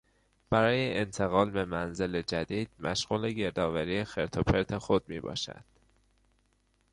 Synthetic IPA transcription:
b̥æɾɒːjeʔːnt̪ʰe̞ɣɒːlbe̞mænze̞led͡ʒæd̪iːd̪̥̚mæʃɣ̥uːleɟe̞ɾd̪ɒːvæɾiːexeɾt̪ʰopʰe̞ɾt̪ʰexod̪̚miːbɒ̰ːʃæ̰d̪̥

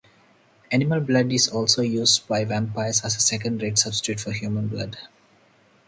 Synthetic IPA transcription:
æniməlblʌɖizɔːlsoːjuːsɖbaɪʋæ̃mpaɪəsæsəsekə̃ɳɖɾeɖsʌbsi̥ʈuːʈfɔhjuːmə̃nblʌɖ

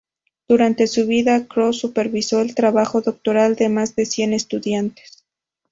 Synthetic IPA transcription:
d̪̥uɾant̪e̞suβiðakɾosupe̞ɾβiso̞e̞lt̪ɾaβaxo̞ðo̞k̚t̪o̞ɾald̪e̞mazðe̞sje̞ne̞st̪uðjant̪es

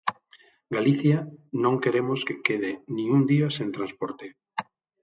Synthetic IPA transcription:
ɡaliθjanõŋkeɾemoskekeð̞enĩŋund̪iasẽnt̪ɾãnspɔɾt̪e

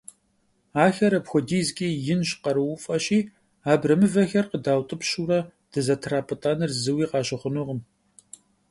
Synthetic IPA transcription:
aːxɐɾɐpxʷɔdiːzkʲʼeːjɪnɕqɐɾɨwʊfʼɐɕʼiː | aːbrɐmɨvɐxɐrqədaːwtʼɨpɕuːɾɐd̥ɨzɐtʰraːpʰʼɨtʼaːnɨrzɨwiːqɑːɕɪχʷʊnuːʁəm

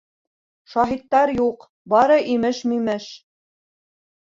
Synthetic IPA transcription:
ʃɑɦit̪ːɑɾjuq | bɑɾɤʔimɘʃmimɘʃ

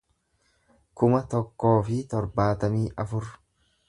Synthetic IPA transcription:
kʊmɐt̪ɔkːo̞ːfɪt̪ɔɾbaːt̪ɐmiːʔɐfʊɾ

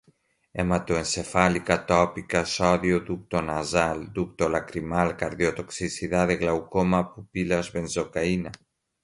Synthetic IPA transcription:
emat̪oensefalikat̪ɔpikasɔðjod̪uk̚t̪onazald̪uk̚t̪olakɾimalkaɾðjot̪oksisiðaðeɣlawkomapupilazβenzokaina

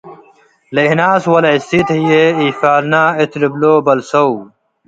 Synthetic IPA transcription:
leinaːswɐlɐisit̪hijeifaːɾnaːit̪ʰlibloːbɐlsow

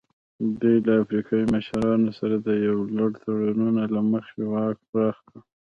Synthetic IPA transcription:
d̪ujlaːfɾikɑjiməʃɾɑnosaɾad̪əjawlaɽt̪aɽanunalaməxewɑk̚pɾɑxkə

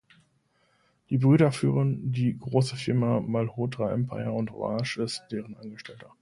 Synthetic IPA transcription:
d̥iːbʁyːdɐfyːʁəndiːɡʁoːsəfɪɐmamalhoːtʁ̥aʔɛmpʰa̰ɪɐʊntʁo̰aʃɪsd̥eːʁ̞ənʔanɡəʃtʰɛltʰɐ

